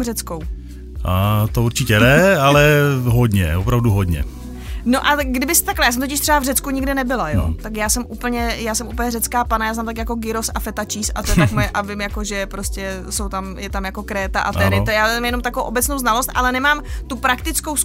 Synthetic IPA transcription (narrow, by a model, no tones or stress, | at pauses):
rɛt͡skow | ʔat̪ouɾt͡ʃɪcɛnɛalɛɦodɲɛ̰vopɾavduɦodɲɛ̰ | noʔaɡdɪbɪst̪aklɛjasɛmt̪ocɪʃt̪r̥ɛbavrɛt͡skuɲɪɡdɪnɛbɪlajo̰t̪akjaːsɛmʔuːpl̩ɲɛjaːsɛmʔuːpl̩ɲɛrɛt͡skaːpanajaːznaːmt̪akjako̞ɡɪɾo̞safɛt̪at͡ʃiːsa̰t̪oɛakmojɛʔavɪmjakoʒɛpɾoscɛ | so̞wt̪amjɛt̪amjako̞kɾɛːt̪aʔat̪ɛɾɪjaːzɛmjɛno̞mt̪akoowʔobɛt͡snowznalost̪ʔa̰lɛnɛmaːmt̪upɾak̚t̪ɪt͡sko̞ws